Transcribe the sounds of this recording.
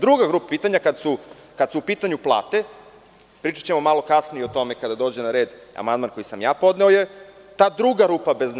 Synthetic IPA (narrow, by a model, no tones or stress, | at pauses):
d̪ɾuɡaɡɾuːpapiːt̪aɲakad̪sukad̪supiːt̪aɲuplˠa̰ːt̪e̞ | pɾiːt͡ʃḁt͡ɕe̞mo̞malˠo̞kasnieo̞t̪o̞me̞kad̪ad̪o̞ːd͡ʑenaɾe̞ːd̪a̰mand̪manko̞jisamjaːpo̞d̪neo̞je | t̪aːd̪ɾuɡaɾuːpabe̞zn